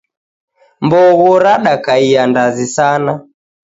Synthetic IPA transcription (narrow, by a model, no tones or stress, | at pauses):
mbɔɣɔɾaɗakaiandazisana